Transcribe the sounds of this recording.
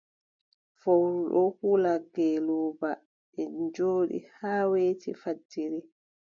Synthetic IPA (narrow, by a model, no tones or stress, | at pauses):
fowɾuɗɔhulaɡɛlɔːba | ɛd͡ʒoːɗḭhaːweːtifadːiɾi